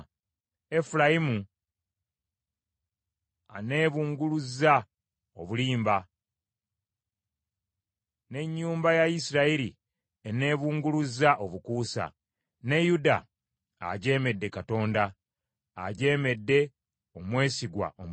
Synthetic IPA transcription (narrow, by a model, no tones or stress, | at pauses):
e̞fulajimu | a̰ne̞ːβuːŋɡuluzːa | o̞̰βuliːmba | ne̞ɲːuːmbajaisiɾaiɾi | ene̞ːβuːŋɡuluzːaʔo̞βukuːsa̰ | ne̞juda̰ː | ɟe̞ːme̞dːe̞kato̞ːnda̰ː | ɟe̞ːme̞dːe̞ | o̞mwe̞ːsiɡwa̰o̰m